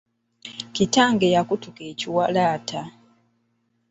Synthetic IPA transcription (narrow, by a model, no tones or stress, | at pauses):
citaːŋɡejakutukeːciwalaːta